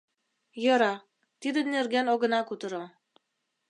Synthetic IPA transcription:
jɤ̆ɾɑ | t̪id̪ɘnerɡænoɣɤ̆nɑkut̪ɤ̆ɾɤ

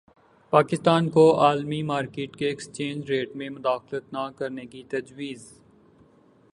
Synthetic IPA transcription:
paːkɪst̪aːnkoaːlmimaːɾkeːʈkeɪkst͡ʃẽːɲd͡ʒɾeːʈmẽmʊd̪aːxlət̪nakɐɾnekit̪ɐd͡ʒwiːz

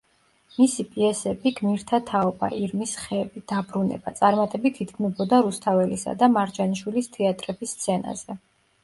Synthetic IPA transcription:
misipʼiɛsɛbiɡmiɾt̪ʰat̪ʰaɔba̰ʔiɾmisχɛːbid̪̥abɾunɛ̰bat̪sʼaɾmat̪ʼɛbit̪ʰid̪ɡʰmɛbɔd̪aɾust̪ʰavɛlisa̰d̪amaɾd͡ʒanʃwilist̪ʰɛat̪ʼɾɛbisːt̪sʰɛna̰zɛ

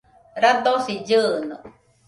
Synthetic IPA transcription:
ɾad̪osid͡ʒɯnɔ̰

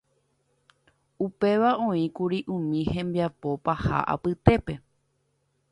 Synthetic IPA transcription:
upe̞ʋaʔõ̞ĩkuɾiʔũmĩhẽ̞mbiapo̞paha̰ʔa̰pɨt̪e̞pe̞

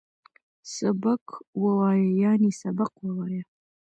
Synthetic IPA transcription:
sɐbɐkʰwɐwaːjɐjaːniːsɐbɐqwɐwaːjɐ

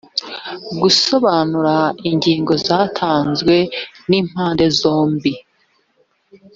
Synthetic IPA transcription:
ɡuso̞βaːnuɾaiɲɟiːŋɡo̞zaːtʰaːnzwe̞niːm̥haːnde̞zo̞ːmbi

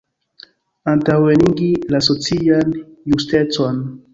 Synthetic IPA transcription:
ant̪aweniŋɡilasot͡sijanjust̪et͡swan

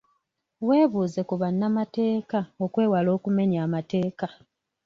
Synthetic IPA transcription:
we̞ːβuːze̞kuβanːamate̞ːkao̞kwe̞ːwalo̞ːkume̞ɲaːmate̞ːka

